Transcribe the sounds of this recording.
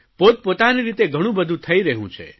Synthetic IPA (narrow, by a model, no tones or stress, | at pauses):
pot̪̚pot̪aniɾit̪eɡʱəɽ̃ũbəd̪ʱũt̪ʰəiɾəɦṵ̃t͡ʃʰḛ